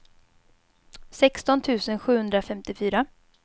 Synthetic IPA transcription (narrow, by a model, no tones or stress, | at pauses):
sɛkst̪ɔnt̪ʰʉ̟ːsənɧʉ̟ːhɵnd̪ɾafɛmt̪ɪfyːɾa